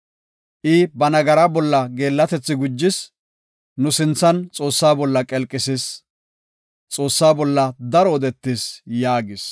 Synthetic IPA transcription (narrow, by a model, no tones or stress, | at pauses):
ʔɪbɐnɐɡɐɾabɔlːɐɡe̞ːlːɐt̪ɛt͡sːɪɡʊd͡ʒːɪs | nʊsɪnt͡sːɐnt͡sʼo̞ːsːaːbɔlːɐkʼɛlkʼːɪsɪs | t͡sʼo̞ːsːaːbɔlːɐd̪ɐɾɔɔd̪ɛt̪ːisjaːɡɪs